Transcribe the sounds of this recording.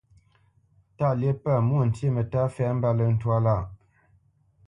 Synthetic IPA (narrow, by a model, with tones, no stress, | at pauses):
ta˦˨lje˦pa˦˨mu˦˨n̩˨tje˦˨mə˨ta˦fɛ˦m̩˦ba˦˨lə˦˨n̩˦twa˦la˦˨